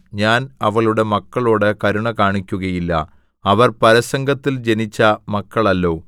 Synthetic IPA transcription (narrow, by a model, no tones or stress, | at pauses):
ɲaːnɐʋɐɭuɽe̞mɐkːɐɭoːɽɨkɐɾuɳɐkaːɳikʲːuɣɐjilːɐ̰ | ɐʋɐrpɐɾɐsɐŋɡɐt̪ːild͡ʑe̞nit͡ɕːɐmɐkːɐɭɐlːo̞ː